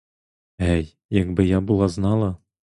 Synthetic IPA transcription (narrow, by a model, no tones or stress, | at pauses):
æj | jækbɤ̆jɑbulˠɑznɑlˠɑ